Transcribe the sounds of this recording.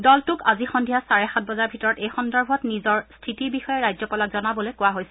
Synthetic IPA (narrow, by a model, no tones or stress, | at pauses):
dɔltʊkazixɔndʱiɦasaɹɛxat̚bɔzaɹbʱitɔɹɔtejxɔndɔɹbʱɔtnizɔɹstʰitibixɔjɛɹajzɔpɔlakzɔnabɔlojkʊwaɦojsɛ